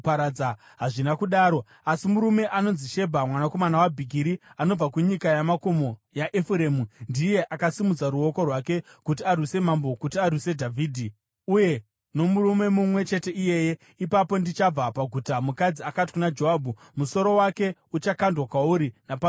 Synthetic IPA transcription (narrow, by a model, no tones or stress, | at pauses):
paɾaa | ɦaʐinakuɗaːɾo̞ | asimuɾume̞ʔano̞nziʃe̞bʱamwanako̞manawabʱiɡʱiɾiano̞b͡vakuɲikajamako̞mo̞jaʔefuɾe̞mundije̞ʔakasimud͡zaɾuo̞ko̞rwake̞kutiarwise̞mambo̞kutiarwise̞dʱavʱiːdʱi | uje̞ | no̞muɾume̞mumwe̞t͡ʃe̞te̞ije̞je̞ | ipapo̞ndit͡ʃab͡vapaɡʱutamukad͡ziakati̥kunad͡ʒoɦabʱu | muso̞ɾo̞wake̞ut͡ʃakandwakwauɾinapa